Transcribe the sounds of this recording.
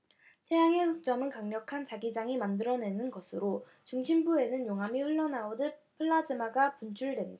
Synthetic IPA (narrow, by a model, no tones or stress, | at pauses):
tʰejaŋe̞hʰɯk̚t͡ɕ͈ʌmɯnkaŋɲʌkʰant͡ɕaɡid͡ʑaŋimandɯɾʌne̞nɯnɡʌsʰɯɾo | t͡ɕuŋɕʰimbue̞nɯnjoŋɦamiɸɯɭːʌnaodɯpʰɯɭːad͡ʑɯmaɡapunt͡ɕʰuɭdwe̞nda